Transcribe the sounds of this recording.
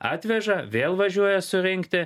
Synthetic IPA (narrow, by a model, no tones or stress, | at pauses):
ɑːt̪ʲʋʲɛʒɐʋʲeːlˠʋɐʒʲuɔjɛsʊɾʲɪŋʲkt̪ʲɪ